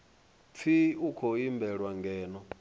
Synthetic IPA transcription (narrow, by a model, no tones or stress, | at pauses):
tʰiukʰoimbɛɺwaŋɡɛːnɔ